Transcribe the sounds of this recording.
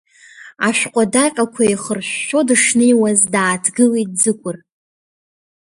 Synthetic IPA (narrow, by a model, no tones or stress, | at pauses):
aʃʷᶣqʷʼadaqʲʼakʷʰaiχərʃːo̞dɨʂnejwazdaːtʰɡɨlejt̚d͡zɨkʷʼʊr